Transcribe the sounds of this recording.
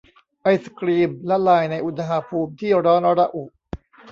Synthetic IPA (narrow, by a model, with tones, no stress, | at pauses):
ʔa˧jskɾiː˧mlɛ˦˥laː˧˩jna˧jʔu˨˧t̪ʰa˧ɦaː˧pʰuː˧mt̪ʰiː˥˩ɾɔː˦˥nɾa˧ʔu˨˩ʔ